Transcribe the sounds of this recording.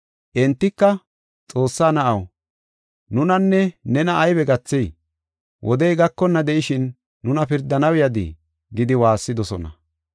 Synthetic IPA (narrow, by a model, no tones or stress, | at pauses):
ʔɛnt̪ːɪkːɐ | t͡sʼo̞ːsːaːnɐʔɐw | nʊnɐnːɛnɛnɐʔːjβɛɡɐt͡sːɛj | wʔɔd̪ɛjɡɐkːɔnːɐd̪ɛʔɪʃɪnː | ʊnɐpɪɾd̪ːɐnɐwɪjɐd̪ḭ | ɡɪd̪ɪwaːsːɪd̪ɔsɔ̰nɐ̰